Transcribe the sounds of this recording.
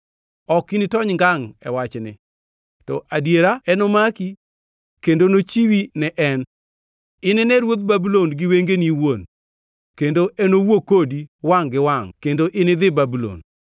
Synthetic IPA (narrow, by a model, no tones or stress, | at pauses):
ɔkinɪtɔɲŋɡaŋɛ̰wat͡ʃnɪ̰ | tɔʔadjeɾaɛnomaki | kendonot͡ʃiwinɛʔɛn | ɪnɪnɛɾwot̪̚babulonɡɪweŋɡeniwon | kendoʔɛnowokodiwaŋɡɪwaŋkendoʔɪnɪd̪ɪbabulo̰n